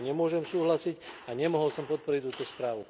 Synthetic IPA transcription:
ɲɛmʊɔʒɛmsuːɦlasiɟaɲɛmɔɦɔlsɔmpɔt̪̚pɔɾict̪uːt̪ɔspɾaːʋu

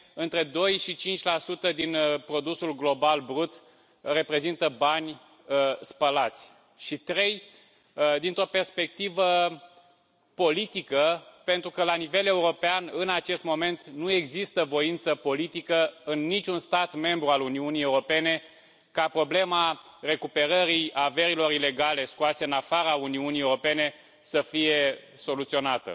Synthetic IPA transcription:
ɨnt̪ɾe̞d̪o̞jʃit͡ʃint͡ʃʲlasut̪əd̪inpɾo̞d̪usulɡlo̞balbɾut̪ | re̞pɾe̞zint̪əbanʲ | spəlat̪sʲ | ʃit̪ɾe̞j | d̪int̪ɾo̞pe̞rspe̞k̚t̪ivə | po̞lit̪ikəpe̞nt̪ɾukəlanive̞le̞uɾo̞peanɨnat͡ʃe̞st̪mo̞me̞nt̪nue̞ɡzist̪əvo̞int̪səpo̞lit̪ikəɨnːit͡ʃʲunst̪at̪me̞mbɾualuniunijeuɾo̞pe̞ne̞ | kapɾo̞ble̞ma | re̞kupe̞ɾəɾijave̞ɾilo̞ɾile̞ɡale̞skuase̞ɨnafaɾauniunijeuɾo̞pe̞ne̞ | səfije̞so̞lut̪sio̞nat̪ə̰

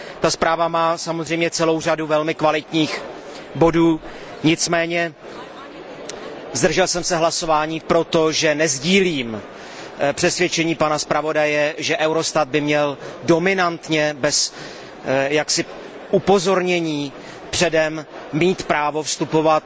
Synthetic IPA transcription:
t̪aspɾaːvamaːsamozr̝ɛjmɲɛt͡sɛlo̞wr̝aduvɛlmɪkvalɪt̪ɲiːx | bo̞duː | ɲɪt͡smɛːɲɛ | zd̪r̩ʒɛlsɛmsɛɦlaso̞vaːɲiːpɾo̞t̪o̞ʒɛnɛzɟiːliːm | pr̥ɛsvjɛt͡ʃɛɲiːpanaspɾavo̞dajɛʒɛʔɛwɾo̞st̪at̪̚bɪmɲɛldo̞mɪnant̪ɲɛbɛs | jaksɪ | ʔupo̞zo̞ɾɲɛɲiː | pr̝̥ɛdɛmmiːt̪pɾaːvo̞fst̪upo̞vat̪̚

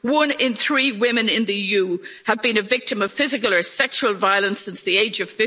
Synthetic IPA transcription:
wʊ̃nɪ̃nθɹiːwɪ̃mɨ̃nɪ̃nðɨjʉːəd̚bĩnɨvɪk̚tɨ̃məv̥fɪzɨkələ˞sɛkʃuəlˠvaɪələ̃nsɪ̃nsðieɪd͡ʒʌv̥fɪ

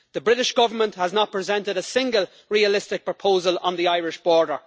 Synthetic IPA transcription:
ðəbɹɪɾɪʃɡ̥ʌvə˞mə̃nthəznət̚pʰɹ̥ɪzɛ̃ntɪɾəsɪ̃ŋɡəlˠ | ɹiəlɪstɪk̚pʰɹ̥əpʰoʊzələ̰̃nðiaɪɹɪʃb̥ɔːɹdə˞

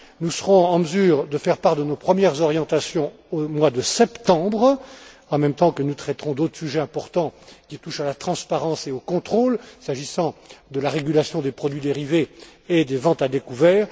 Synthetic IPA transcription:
nusəʁɔ̃ɑ̃məzyːʁd̪əfɛʁpaʁd̪ənopχəmjɛʁzɔʁjɑ̃t̪asjɔ̃ | omwad̪əsɛpt̪ɑ̃bʁ | ɑ̃mɛmt̪ɑ̃kənut̪χɛt̪ʁɔ̃d̪ot̪χə̥syʒɛɛ̃pɔʁt̪ɑ̃kʲit̪uʃalat̪χɑ̃spaʁɑ̃seokɔ̃t̪χolsaʒisɑ̃d̪əlaʁeɡʲylasjɔ̃d̪epχɔd̪ɥid̪eʁiveːd̪evɑ̃t̪ad̪ekuvɛːʁ

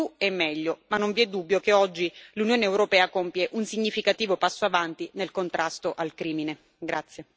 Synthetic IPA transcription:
uɛmːɛʎːomanːoɱviɛd̪ːubːjokeɔd͡ʒːilunjoːneewɾopɛːakompjeʔunsiɲːifikat̪iːvopasːoavant̪inelkont̪ɾʔast̪oʔalkɾiːmine | ɡɾat̪sːje

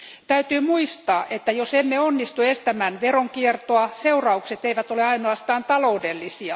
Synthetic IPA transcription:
t̪æyt̪yːmuist̪ɑːʔet̪ːæjosemːeonːist̪uest̪æmænʋeroŋkiert̪oɑseurɑukset̪eiʋæt̪oleɑinoɑst̪ɑːnt̪ɑloudelːisiɑ

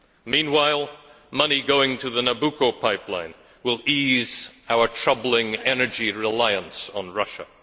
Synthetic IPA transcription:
mĩnwaɪlˠ | mʌniɡoʊɪ̃ŋtʰɨðɨnəbukʰoʊpʰaɪplã̰ɪ̃n | wɪlˠizaʊə˞tʰɹ̥ʌbl̩ˠɪ̃ŋɛnə˞d͡ʒiɹɪlaɪə̃nsn̩ɹʌʃə̰

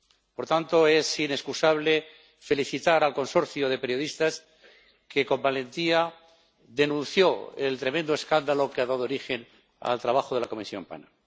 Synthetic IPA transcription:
po̞ɾt̪ant̪o̞e̞sine̞skusaβle̞ | fe̞liθit̪aɾalko̞nso̞ɾθjoð̞e̞pe̞ɾjo̞ðist̪as | ke̞kõ̞mbalẽ̞nt̪ia | ðe̞nũnθjo̞ḛlt̪ɾe̞mẽnd̪oeskand̪alo̞keaðaðoɾixe̞n | a̰lt̪ɾaβ̞axo̞ðelako̞misjo̞̰mpa̰na

